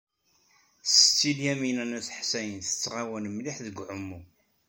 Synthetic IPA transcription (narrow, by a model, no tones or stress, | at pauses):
st͡sːiljæminænæθħsæjənθə̥t͡sːʁawænmliħðəɡʷʕʊmːu